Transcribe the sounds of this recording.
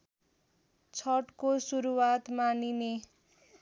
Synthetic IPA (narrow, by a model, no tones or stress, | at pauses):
t͡sʰʌʈkosuɾuwat̪manine